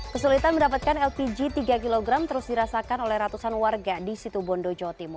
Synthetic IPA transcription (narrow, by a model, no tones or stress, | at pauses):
kəsulit̪anməndapat̪̚kanɛlpid͡ʒit̪iɡakiloɡɾamt̪əɾʊsdiɾasakanolɛhrat̪usanwarɡadisit̪ubɔndod͡ʒɔt̪imu